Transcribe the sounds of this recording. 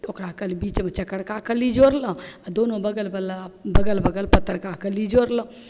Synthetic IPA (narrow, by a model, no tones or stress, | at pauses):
okɾakəlibit͡ʃmet͡ʃəkːəɽkakəlid͡ʒoɾlə̃ad̪onobəɡəlbəlbəɡəlbəɡəlpət̪ːəɾkakəlid͡ʒoɾlə̃